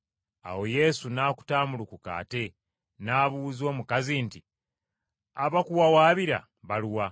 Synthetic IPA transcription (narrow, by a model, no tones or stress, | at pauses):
a̰wo̞je̞sunaːku̥taːmulukuka̰ːte̞ | naːβuzo̞ːmukazinti | aβakuwawaːβiɾa̰ | βaluwa